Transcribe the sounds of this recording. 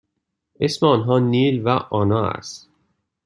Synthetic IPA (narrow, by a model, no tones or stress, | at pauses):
ʔesmeɒːnɦɒːniːlvæʔɒːnɒːæ̰st̪